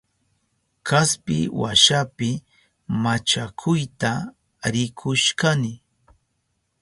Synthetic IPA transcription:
kaspɪ̰wa̰ʃapɪ | mat͡ʃakʰʊjt̪a | ɾɪkʰʊʃkanɪ

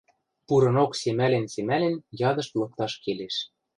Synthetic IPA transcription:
puɾɤ̆noksemælĕnsemælɘ̆njɑd̪ɤ̆ʃt̪lɤ̆k̚t̪ɑʃkeleʃ

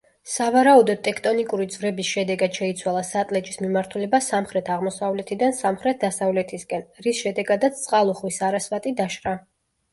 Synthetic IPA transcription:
savaɾaud̪ɔd̪̚t̪ʼːɛkʰt̪ʼɔnikʼuɾid̪zvɾɛbisʃɛd̪ɛɡad̪̥ʃɛit̪sʰwalˠasat̪ʼlɛt͡ʃʼismimaɾt̪ʰulɛbasamχɾɛt̪ʰaʁmɔsavlɛt̪ʰid̪ansamχɾɛt̪̚d̪asavlɛt̪ʰiskʼɛnɾisʃɛd̪ɛɡad̪at̪sʰt̪sʼqʼalˠuχwisaɾasvat̪ʼid̪aʃqa

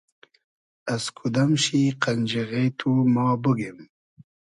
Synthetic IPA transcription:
askʰud̪amʃiqand͡ʒiɣet̪ʰumɑːbəɡem

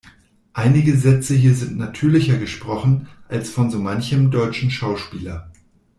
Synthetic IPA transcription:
ʔaɪnɪɡəzɛt͡səɦiːɐzɪntnatʰyːɐlɪçɐɡəʃpʁ̥ɔχn̩ʔalsfɔnzoːmançəmdɔʏt͡ʃn̩ʃaʊʃpiːlɐ

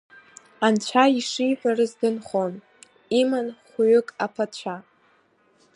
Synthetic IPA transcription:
ant͡ɕʷʰaiʂijħʷarɨzdɨnχon | imanχʷɥʏkʼapʰat͡ɕʷʰa

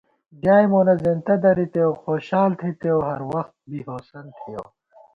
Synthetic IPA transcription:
ɡaːjmoːnɐzent̪ɐd̪ɐɾit̪ewxoːɕaːlt̪ʰit̪eoɦɐɾwɐxt̪̚bihoːsɐnt̪ʰijo̰

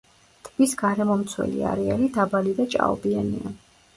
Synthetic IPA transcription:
t̪ʰʼbisɡaɾɛmɔmt̪sʰwɛ̰lḭa̰ɾɛalid̪abalid̪at͡ʃʼa̰ɔbianḭa

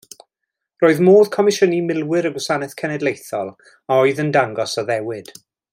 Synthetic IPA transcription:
roːɨðmoːðkʰɔmɪʃənimɪlˠwɪɾəɡwɔsanɛθkʰɛnɛdlˠejθɔlˠ | aɔɨðəndaŋɡɔsaðɛwɪd̥

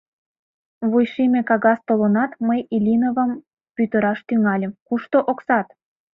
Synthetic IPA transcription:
βujʃimekɑɣɑst̪olonɑt̪məjilʲinovəm | pyt̪əɾɑʃt̪yŋɑlʲə̆mkuʃt̪oʔoksɑt̪

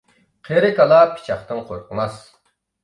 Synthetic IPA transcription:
qʰeɾɪkɑlˠɑpʰi̥t͡ʃʰɑχt̪ɨnqʰo̰ɾqʰəmɑs

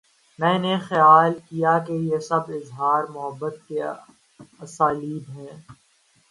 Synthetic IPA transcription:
mɛ̃ːnexɐjaːlkijakejesɐbɪzɦaːɾmʊɦəbːət̪̚ke | ɐsaːliːbɦɛ̃ː

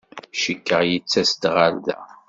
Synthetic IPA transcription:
ʃikːəʁjət͡sːæst̪ʁaɾðæ̰

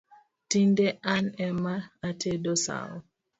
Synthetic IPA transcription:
tindɛʔanɛmaːtʰɛdɔsa̰ɔ̰

